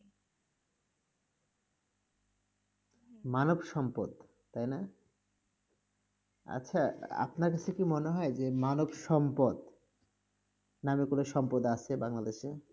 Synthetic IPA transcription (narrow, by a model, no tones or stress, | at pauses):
manobʃɔmpod̪ | t̪ajna | a̰tːɕʰaa̰pnaɾkat͡ɕʰekimoneɦɔed͡ʑemanobʃɔmpod̪ | namikuleʃɔmpod̪at͡ɕʰebaŋlad̪eʃe